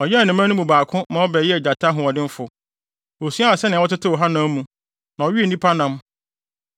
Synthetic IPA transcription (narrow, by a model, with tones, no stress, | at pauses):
ɔ˨jɛ˦a˨nɪ̃˨m˦ã˦nũ˦mũ˨baː˨kʰʊ̃˦mã˨ɔ˦bɛː˨jɛ˦ɛ˨d͡ʑa˨tʰa˦ɦʊ̃˨ɔ˨dɪ̃˦m̩˦fʊ˨ | o˨su˦a˦a˨sɛ˦nɪ̃˨ɔ˦tɪ˦tʰɪ˦wɔ˨ɦa˦nã˦mũ˨ | nã˨ɔ˨ɥi˦e˦˨nĩ˦pʰa˦nã˦m